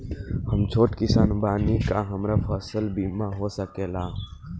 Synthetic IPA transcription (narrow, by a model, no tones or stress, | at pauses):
həmt͡ʃʰoːʈkɪsaːnbaːniːkaːɦəmɾaːfaːsəlbiːmãːɦoːsəkeːlaː